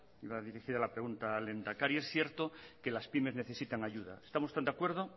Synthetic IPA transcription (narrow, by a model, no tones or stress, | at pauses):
iβaðiɾixiðalapɾe̞ɣunt̪ale̞nd̪akaɾiesθje̞ɾt̪oke̞laspime̞zne̞θe̞sit̪aŋaʝuða̰est̪amost̪and̪eakwe̞ɾð̞o